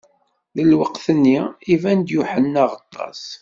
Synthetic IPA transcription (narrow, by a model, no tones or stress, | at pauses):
ðəlwəqθənːiivænd̪juħənːaʁət̪ˤːɑ̰s